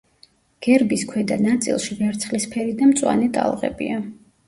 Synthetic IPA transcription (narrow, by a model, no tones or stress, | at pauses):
ɡ̥ɛɾbiskʰwɛd̪anat̪sʼḭlˠʃivɛɾt̪sʰχlispʰɛɾid̪amt̪sʼwa̰nɛt̪ʼa̰lˠʁɛ̰bḭa